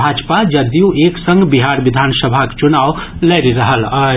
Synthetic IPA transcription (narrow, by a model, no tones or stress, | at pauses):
ad͡ʒpad͡ʒəd̪jũeːksə̃ŋɡbiɦaɾʋid̪ʱaːnsəbʱakt͡ʃunaːwleɾiɾəɦəla